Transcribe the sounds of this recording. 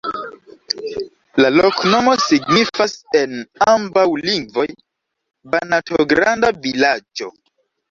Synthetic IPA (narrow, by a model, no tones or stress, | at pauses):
lalokno̞mo̞siɡnifase̞nambawliŋɡvo̞j | banatoɡɾandavilad͡ʒo̞̰